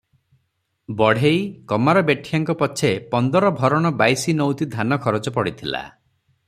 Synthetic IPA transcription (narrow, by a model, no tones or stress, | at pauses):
bɔɽ̤ejkɔmaɾɔbeʈʰijaŋkɔpɔt͡ʃʰepɔnd̪ɔɾɔbʱɔɾɔɽ̃ɔbajsinɔwt̪id̪ʱanɔkʰɔɾɔt͡ʃɔpɔɽit̪ʰila̰